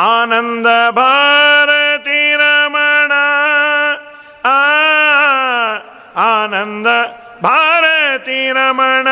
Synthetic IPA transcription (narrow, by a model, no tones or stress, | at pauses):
aːnɐnd̪ɐbʱaːɾɐt̪iɾɐmɐɳɐ | aːnɐnd̪ɐ | bʱaːɾɐt̪iɾɐmɐɳɐ